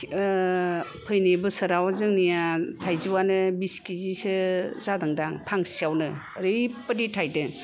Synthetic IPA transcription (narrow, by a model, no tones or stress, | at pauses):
pʰɯjnebɯsɯɾawazɯŋnijatʰajziwanɯbiskizisɯzadɯŋdaŋpʰaŋsiawnɯ | ɾɯjpəditʰajdɯ